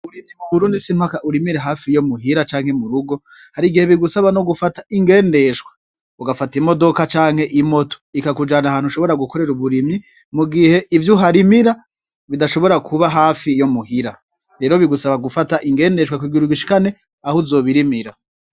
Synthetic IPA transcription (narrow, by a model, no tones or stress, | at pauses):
uɾimimuβuɾuːndisimhakaʔuɾimiɾeɦaːfijomuɦiɾat͡ʃaːŋ̥he̞muɾuɡo̞ | haɾiɡihe̞βiɡusaβano̞ɡufataiŋɡe̞ːnde̞ʃɡwḁ | uɡafatimo̞do̞kat͡ʃaːŋhe̞ʔimo̞to̥ikakud͡ʒanahaːn̥huʃo̞βo̞ɾaɡukʰo̞ɾe̞ɾuβuɾimi | muɡihe̞ʔivjuɦaɾimiɾa | βidaʃo̞βo̞ɾakʰuβaɦaːfijo̞muhiɾa | ɾeːɾoβiɡusaβaɡufataʔiŋɡe̞ːnde̞ʃwakwiɡiɾuɡiʃi̥kane̞ | ahozo̞ːβiɾimiɾa